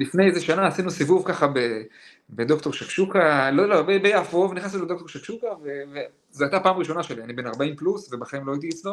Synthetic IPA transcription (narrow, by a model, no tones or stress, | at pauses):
lifne̞jezeʃanaːsinusivuvkaχabe | be̞d̪o̞kt̪o̞ʁʃakʃukalolobebejavo̞vnixasulodokto̞ʃakʃukaveve | zeajt̪apaːmʁiʃo̞naʃe̞lianibenaʁbaimplusve̞baχaimlo̞ait̪̬iit͡slo